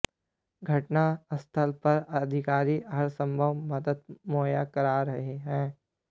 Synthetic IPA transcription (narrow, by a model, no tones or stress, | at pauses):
ɡʱɐʈnaɐst̪ʰəlpɐɾɐd̪ʱɪkaːɾiɐɦɐɾsə̃mbʱəʋmɐd̪əd̪̚moːjakəɾaɾɐɦeɦɛ̃ː